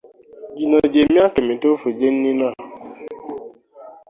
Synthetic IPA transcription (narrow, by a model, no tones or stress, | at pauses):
d͡ʒinad͡ʒemĩakemĩtofud͡ʒen̩nina